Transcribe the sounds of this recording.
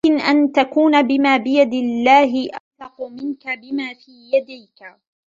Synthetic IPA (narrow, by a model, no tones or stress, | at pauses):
ɪnʔant̪akuːnabɪmaːbɪjad̪ɪlːaːɦɪʔɑlɑqʊmɪnkabɪmaːfiːjad̪ajka